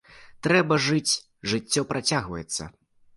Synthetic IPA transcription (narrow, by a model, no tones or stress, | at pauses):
t̪ɾɛbɐʐɨt͡sʲ | ʐɨt͡sʲːɔpɾʔat͡sʲaɣvɐjɛt̪sːɐ̰